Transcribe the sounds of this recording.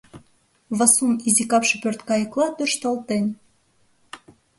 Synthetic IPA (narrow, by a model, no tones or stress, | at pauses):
βɑsunizikɑpʃɤ̆pørt̪kɑjə̆klˠɑt̪yrʃt̪ɑlˠt̪enʲ